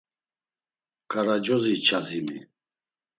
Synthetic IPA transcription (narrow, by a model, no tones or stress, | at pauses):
kʼaɾad͡ʒɔzit͡ʃʰazimi